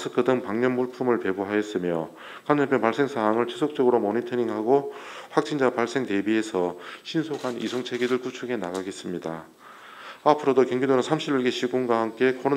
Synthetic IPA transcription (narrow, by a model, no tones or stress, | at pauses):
sʰɯk͈ʰɯdɯŋpaŋɲʌnbuɭpʰumɯɭpe̞buɦajes͈ɯmjʌ̰ | kanʌpʰjʌnpaɭs͈e̞ŋsʰaɦaŋɯɭt͡ɕʰesʰok̚t͡ɕ͈ʌɡɯɾomonitʰɯɲiŋɦaɡoɸwak̚t͡ɕ͈ʰind͡ʑapaɭs͈e̞ŋte̞bie̞sʰʌɕʰinsʰoɡʰanḭsʰoŋt͡ɕʰe̞ɡiɾɯɭkut͡ɕʰuɡe̞naɡaɡe̞s͈ɯmɲida̰ | apʰɯɾodokjʌŋɡidonɯnsʰamɕ͈ʰiɾiɭɡeɕʰiɡunɡwahamk͈e̞kʌɾ